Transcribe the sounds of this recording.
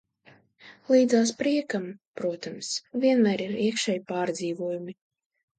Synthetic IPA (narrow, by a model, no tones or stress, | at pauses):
lˠiːd̪zaːspɾiɛkampɾuɔt̪amsvʲiɛnmæːɾiɾiɛkʃɛjpaːɾd̪ziːvuɔjumi